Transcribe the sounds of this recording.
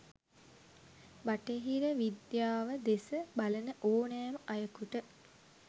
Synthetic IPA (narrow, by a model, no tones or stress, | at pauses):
baʈeɦiɾəʋid̪jaːʋəd̪esəbalənəʔoːnæːməʔajəkuʈə